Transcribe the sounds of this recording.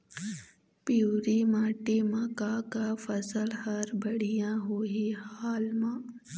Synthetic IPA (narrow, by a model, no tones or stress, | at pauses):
pjuːɾimãːʈemãkakafɐsəlhɐɾbɐɽ̤ijãɦoɦihaːlmãː